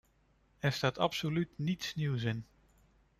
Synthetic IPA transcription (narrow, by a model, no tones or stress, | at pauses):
ɛɹstaːtʰɑ̰psolytnitsniwsɪn